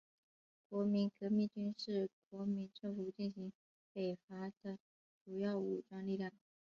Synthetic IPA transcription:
kwɔ˧˥mi˧˥nkɤ˧˥mi˥˩ŋt͡ɕy˥nʂɻ̩˥˩kwɔ˧˥mi˧˥nʈ͡ʂɤ˥˩fu˨˩t͡ɕi˥˩nɕi˧˥ŋ | pe˨˩ɪfa˧˥d̪ə˧ | ʈ͡ʂu˨˩jɑ˥˩ʊu˨˩ʈ͡ʂwɑ˥ŋli˥˧ljɑ˥˩ŋ

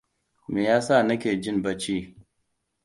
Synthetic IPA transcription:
meː˨jaː˦sa˦˨nɐ˦kʲeː˨d͡ʒɪ˦nbɐ˦t͡ʃiː˦

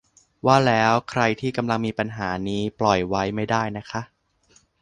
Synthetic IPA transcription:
waː˥˩lɛː˦˥wkʰɾa˧jt̪ʰiː˥˩ka˧mla˧ŋmiː˧pa˧nɦaː˩˦niː˦˥plɔ˨˩jwa˦˥jma˥˩jdaː˥˩jna˦˥kʰa˦˥ʔ

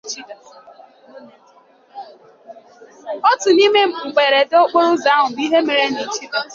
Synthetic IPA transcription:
ɔ˦tʊ˨ni˦me˦˨ŋ͡m̩˨ɡ͡be˨ɾe˨do˦k͡po˦ɾʊ˦za˨˦ɦʊ˨i˦ɦe˦me˨ɾe˦ni˨t͡ʃi˦d

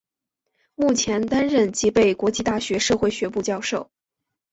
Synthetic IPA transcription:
mu˥˩t͡ɕʰjɛ˧˥nt̪a˥nɻə˥˩nt͡ɕi˧˥pe˥˩ɪkwɔ˧˥t͡ɕi˥˧t̪a˥˩ɕɥɛ˧˥ʂɤ˥˧xwe˥˩ɪɕɥɛ˧˥p̬u˥˧t͡ɕjɑ˥˧ʊʂo˥˩ʊ

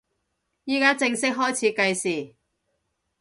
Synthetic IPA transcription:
jiː˥kaː˥t͡sɪ˧ŋsɪ˥k̚ɦɔː˥jt͡sʰiː˨˧kɐ˧jsiː˨˩

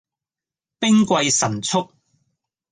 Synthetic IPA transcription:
pɪ˥ŋkʷɐ˧jsɐ˨˩nt͡sʰʊ˥k̚

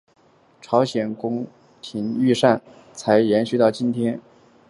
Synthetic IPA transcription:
ʈ͡ʂʰɑ˧˥ʊɕjɛ˨˩nkʊ˥ŋ | t̪ʰi˧˥ny˥˧ʂa˥˩n | t͡sʰa˧˥ɪjɛ˧˥nɕy˥˧t̪ɑ˥˩ʊt͡ɕi˥nt̪ʰjɛ˥n

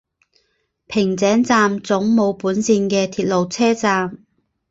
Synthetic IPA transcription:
pʰɪ˨˩ŋt͡sɛː˨˥ŋt͡saː˧mt͡sʊ˨˥ŋmo˨˧wpuː˨˥nsiː˧nkɛː˧t̪ʰiː˧t̚lo˨wt͡sʰɛː˥t͡saː˧m

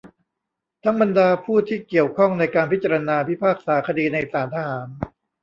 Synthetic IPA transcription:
t̪ʰa˦˥ŋba˧ndaː˧pʰuː˥˩t̪ʰiː˥˩ki˨˩əwkʰɔ˥˩ŋna˧jkaː˧npʰi˦˥t̚t͡ɕa˧ɾa˧naː˧pʰi˦˥pʰaː˥˩k̚saː˩˦kʰa˧diː˧na˧jsaː˩˦nt̪ʰa˧haː˩˦n

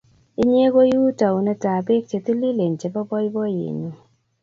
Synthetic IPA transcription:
i˦ɲ˦e˦ko˦ju˦ta˨wnɛ˧ta˨be˦k̚t͡ʃe˧t̪i˦li˦le˨ɲ˨t͡ʃe˨bɔ˦bɔ˦jbɔ˦jḛ˨ɲu˦

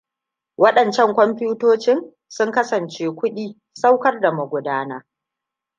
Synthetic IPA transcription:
wɐ˦ɗɐ˨nt͡ʃɛ˦˨ŋkʷɔ˦mɸuː˦toː˦t͡ʃɪ˦n | sʊ˦ŋkɐ˦sɐ˨nt͡ʃeː˦kʷʊ˦ɗiː˦ | sa˦wkɐ˦rda˨mʊ˨ɡʷʊ˨daː˦naː˦

